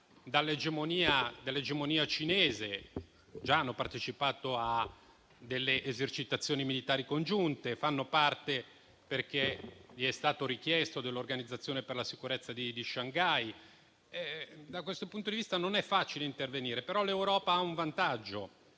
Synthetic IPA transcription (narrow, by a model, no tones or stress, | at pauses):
d̪alːed͡ʒemoniːad̪alːed͡ʒemoniːat͡ʃineːze | d͡ʒaanːopart̪et͡ʃipaːt̪oa | d̪ːelːeʔezert͡ʃit̪at̪sːjoːnimilit̪aːɾikond͡ʒunt̪efanːopart̪e | perkeʎiɛst̪aːt̪oɾik̟jɛst̪od̪elːorɡanid̪zːat̪sːjoːneperlasikuɾet̪sːad̪id̪iʃaŋɡaj | ɛd̪akwest̪opunt̪od̪ivist̪anonɛfːaːt͡ʃileint̪erveniːɾepeɾɔlewɾɔːpaauɱvant̪ad͡ʒːo